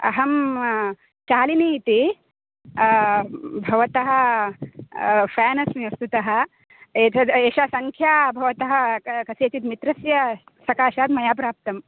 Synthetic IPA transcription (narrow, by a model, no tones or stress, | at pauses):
ɐ̰ɦɐm | t͡ʃaːliniːt̪i | bʱɐʋɐt̪ɐɦɐ̆ | fɛːnɐsmiɐst̪ut̪ɐɦɐ̆ | etɐeːʃaːsɐŋkʰjaːbʱɐʋɐt̪ɐɦɐkɐseːt͡ʃ̪it̪mit̪ɾɐsjɐsɐkaːʃaːd̪mɐjaːpɾaːp̚t̪ɐm